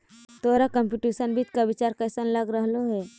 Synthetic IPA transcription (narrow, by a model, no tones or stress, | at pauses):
t̪oːɾakə̃mpuːʈiːsənbʱit̪kabɪt͡ʃaːɾkəːsənləɡɾəɦloɦɛː